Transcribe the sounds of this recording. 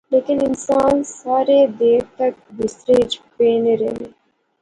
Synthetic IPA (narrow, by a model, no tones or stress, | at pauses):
leːkinɪnsaːnsaːɾeːd̪eːt̪ɐk̚ʋɪsɾeːd͡ʒpeːneɾḛne